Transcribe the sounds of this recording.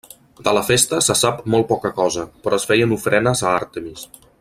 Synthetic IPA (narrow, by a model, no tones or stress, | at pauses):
d̪̥ələfest̪əsəsapmɔlˠpɔkəkɔzəpɾɔəsfɛjənufɾɛnəzəa̰ɾt̪əmis